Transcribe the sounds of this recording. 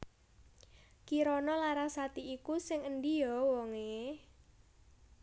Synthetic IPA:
kiɾɔnɔlaɾasat̪iikusɪŋənd̪ijɔwɔŋe

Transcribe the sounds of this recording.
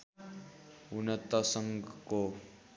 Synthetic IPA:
unʌt̪ʌsʌŋɡko

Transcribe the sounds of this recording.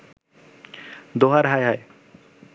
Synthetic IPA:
d̪oɦaɾɦajɦaj

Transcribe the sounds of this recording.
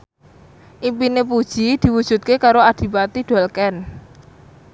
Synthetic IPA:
ʔimpinepud̥ʒ̥id̪̥i̤wud̥ṳt̪̚kekaɾoad̪̥i̤pat̪iɖ̪̥ɔ̤lkɛn

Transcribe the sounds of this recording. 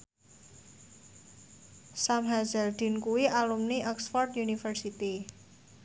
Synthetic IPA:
samɦazɛld̪̥i̤nkuwiʔalumniʔɔksfɔrt̪junifərsit̪i

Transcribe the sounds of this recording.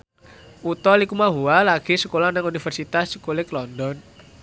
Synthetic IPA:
ut̪ɔlikumaɦualaɡ̥i̤səkolanəŋunifərsit̪askulɪklɔndɔn

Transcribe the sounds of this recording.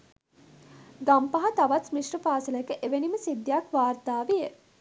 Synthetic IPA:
ɡampaɦat̪aʋat̪miʂrəpaːsəlkəʔeʋeniməsid̪jakʋaːrt̪aːʋejə

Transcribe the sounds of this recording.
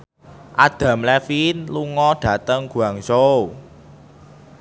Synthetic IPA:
ʔad̪̥a̤mlɛfinluŋɔɖ̥ä̤t̪əŋɡ̥ṳaŋso

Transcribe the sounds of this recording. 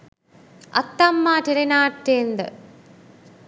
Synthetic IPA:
ɐ̰t̪ːɐmːaːteɾenaːʈːeːnd̪ɐ̰

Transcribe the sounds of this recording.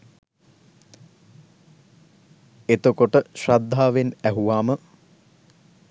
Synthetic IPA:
et̪okoʈəʃrad̪ʱːaːʋenæɦuʋaːmə

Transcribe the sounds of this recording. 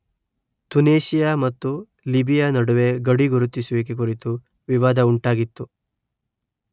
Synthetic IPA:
t̪uneːʃijamɐt̪ːu | libijanɐɽuʋe̞ɡɐɽiɡuɾut̪ːisuʋik̬ːek̬uɾit̪u | ʋiʋaːd̪ɐuɳʈaːɡit̪ːu

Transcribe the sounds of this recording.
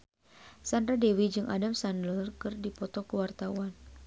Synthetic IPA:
sandɾadewid͡ʒɨŋʔa̰damsandlərkɨrdipɔt̪ɔkəwart̪auan

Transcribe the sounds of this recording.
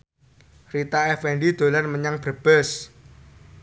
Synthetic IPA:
rit̪aɛfɛɳɖid̪̥o̤lanməɲaŋb̥ɾəb̥ɛs

